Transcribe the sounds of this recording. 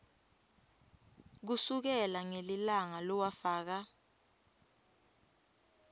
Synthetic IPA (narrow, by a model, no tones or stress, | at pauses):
k̬usuk̬ɛlaŋelilaŋalɔwafaːk̬a